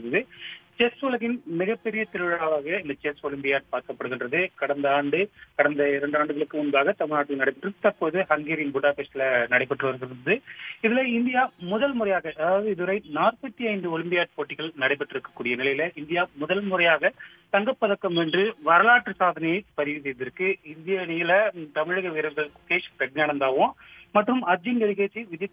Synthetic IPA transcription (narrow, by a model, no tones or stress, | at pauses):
ðɐðɯt͡ʃɛsʊlɐɣɪnmɪɣɐpːɛɾɪjɐt̪ɪɾɯʋɪɻɐaːʋaːɣɐɪnd̪ɐt͡ʃɛsɔɭɪmbɪjaːʈ̚paːɾkɐpːɐɽɯɣɪndrɐðɯkɐɽɐnd̪ɐaːɳɖɯkɐɽɐnd̪ɐɪɾɐɳɖaːɳɖɯɣɐɭɯkːɯmʊnbaːɣɐt̪ɐmɪɭnaːʈːɪlnɐɽɐɪpɐʈːɪɾɯkːɯt̪ːɐpːoðɯhɐŋɡeːɾɪnbʊɽaːpɛsɪlɐnɐɽɐɪpːɐʈːrɯʋɐɾɯɣɪnɐðɯɪðɪlɐɪnd̪ɪjaːmʊðɐlmʊɾɐjaːɣɐʔɐðaːʋɐðɯɪðɯʋɐɾɐɪnaːrpɐt̪ːiɐɪnd̪ɯɔɭɪmbɪjaːʈ̚poːʈːɪɣɐɭnɐɽɐɪpːɐʈːɪɾɯkːɐ̥kːuːɽɪjɐnɪlɐjɪlɐʔɪnd̪ɪjaːmʊðɐlmʊɾɐjaːɣɐ | t̪ɐŋɡɐpːɐðɐkːɐmʋɛndrɯʋɐɾɐlaːʈːrɯsaːðɐnɛjɐpɐɾɪʋis̬ɛjðɪɾɯkːɯɪnd̪ɪjanɪjɐlɐt̪ɐmɪɻɐɣɐʋɪɾɐŋɡɐɭkʊkeːʂpɛʈ̚nɐːɽɐnd̪aːʋʊ̃ | mɐʈːrɯmɐd͡ʒɪnɡɐɾɪɣeːt͡ʃːiʋɪðjɐ